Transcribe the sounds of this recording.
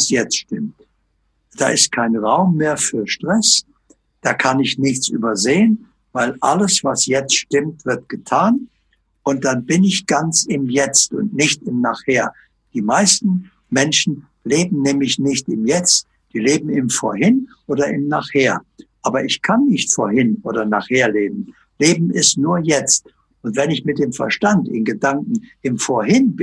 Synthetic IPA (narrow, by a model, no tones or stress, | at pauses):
sjɛt͡stʃtɪmt | d̥a̰ːʔɪst̚kʰaɪnʁaʊmːeːɐfyːɐʃtʁ̥ɛs | d̥aːkʰanɪçnɪçt͡sʔy̰ːbɐzeːən | vaɪlʔa̰ləsv̥asjɛt͡stʃtɪmtv̥ɪɐt̚ɡ̥ətʰaːn | ʔʊnt̚d̥anbɪnɪçɡ̥ant͡sɪmjɛt͡stʊ̰ntnɪçtɪmnaːχheːɐ | d̥iːmaɪstn̩ | mɛnʃn̩ | leːbm̩nɛːmlɪçnɪçtɪmjɛt͡st | d̥iːleːbm̩ɪmfo̰ːɐhɪnʔoːdɐʔɪmnaːχheːɐʔaːbɐʔɪçkʰanːɪçtfoːɐhɪnʔoːdɐna̰ːχheːɐleːbm̩ | leːbm̩ɪstnuːɐjɛt͡st | ʔʊntv̥ɛnɪçmɪt̚d̥eːmfɛɐʃtantɪ̰nɡədaŋkŋ̩ʔɪmfoːɐhɪnb